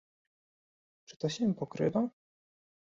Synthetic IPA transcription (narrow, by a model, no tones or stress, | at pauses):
t͡ʂɘ̥t̪ɔɕɛ̃pɔkɾɘ̰d̪a